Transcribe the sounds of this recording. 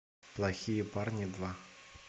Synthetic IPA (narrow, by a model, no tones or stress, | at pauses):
plˠaxʲijɛparnʲid̪va